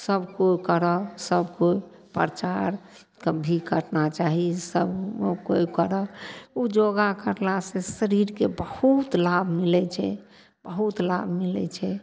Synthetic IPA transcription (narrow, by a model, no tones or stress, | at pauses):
səbkokəɾɔsəbʱkoi | pɾt͡ʃaɾ | kəbʱikəʈnat͡ʃaɦisəbkojkəɾɔud͡ʒoɡakəɾlasẽsəɾiɾkebəhut̪labʱmilɛt͡ʃʰɛ̰ | b̥əɦut̪labʱmilɛ̰t͡ʃʰɛ